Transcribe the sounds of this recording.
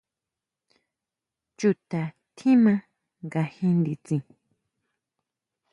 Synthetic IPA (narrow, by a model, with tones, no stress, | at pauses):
t͡ʃu˧˨t̪a˨ | t̪ʰĩ˦mã˧ | ŋɡa˧hĩ˧nd̪i˧t͡sĩ˧˨